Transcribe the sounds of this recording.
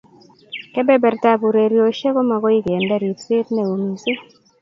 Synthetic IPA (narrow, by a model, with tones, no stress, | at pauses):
kɛ˦bɛ˦bɛ˨ɾta˦bu˨ɾe˨ɾjo˨ʃe˦ko˦ma˨ɡɔ˦i˦ɡe˨ndɛ˦˨ɾi˨tsɪ˦tnɛ˦˨o˨mi˨se˦